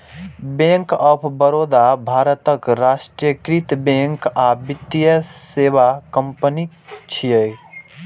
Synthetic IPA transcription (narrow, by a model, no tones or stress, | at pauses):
bẽŋkɔpʰbəɾoːd̪abʱaːɾət̪əkɾasʈɾəkɾit̪bẽŋkabɪt̪ːijəsebakə̃mpəni | t͡ʃʰijəj